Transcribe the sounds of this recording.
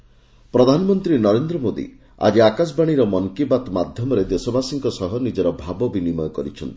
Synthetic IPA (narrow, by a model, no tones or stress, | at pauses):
pɾɔd̪ʱanɔmɔnt̪ɾinɔɾend̪ɾɔmod̪ḭ | a̰d͡ʒiakas̬baɽ̃iɾɔmɔŋkebat̪mad̪ʱjɔmɔɾed̪esɔbasiŋkɔsɔɦɔnid͡ʒɔɾɔbʱabɔbinimɔjɔkɔɾit͡ʃʰɔnt̪i̥